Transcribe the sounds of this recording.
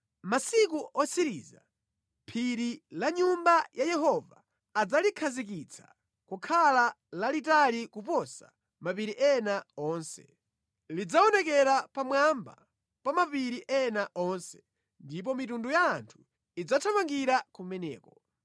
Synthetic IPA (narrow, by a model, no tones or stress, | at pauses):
masikuʔɔsiɾḭːza̰ | mpʰiɾilaɲumbajʔajɛɦɔva̰ː | d͡zalikʰazik̬it͡sʰḁ | kukʰala | lalitalikup̬ɔsa̰ | mapiɾiʔɛnaɔːnsɛ̥̰ | lid͡zaɔnɛkɛɾapamwamba̰ | pamapiɾiʔɛnaʔɔnsɛ̥ | ndip̬ɔmitundujaːntʰu̥ | id͡zatʰamaŋɡiɾakumɛnɛ̰ːkɔ